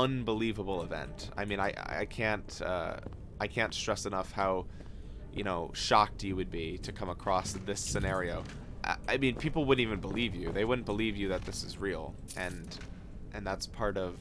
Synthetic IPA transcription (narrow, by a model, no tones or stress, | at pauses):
ʌ̃nbəlivəbl̩ˠəvɛ̰̃nta̰ɪmĩnaɪʔa̰a̰ɪkʰæ̃ntʌ̰ | ʔaɪkʰæ̃ntstɹ̥ɛsɨnʌfhaʊ | jɨ̰ɾ̃oʊʃɑk̚tʰjɨwɨd̚biɾɨkʰʌ̃məkʰɹ̥ɔsðɪsɨnɛɹioʊ | ʔʌ̰aɪmĩnpʰipl̩ˠwʊdⁿn̩tivɨ̃n̩bəlivjʉðeɪwʊdⁿn̩b̥əlivjɨðɨt̪̚ðɪsɨzɹil̩ˠ | ʔɨ̃n | ʔɨ̃nðætspʰɑɹɾʌv̥